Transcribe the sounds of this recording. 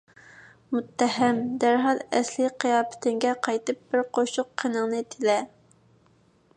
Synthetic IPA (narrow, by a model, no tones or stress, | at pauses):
mut̪ʰːɛɦɛmd̪æɾɦɑlˠɛslɪqʰijɑːpɪ̥t̪ʰɪŋɡʲɛqʰɑjt̪ɨp̚b̥ɪɾqʰoʃʊqʰːənəŋnɨt̪ʰɪlɛ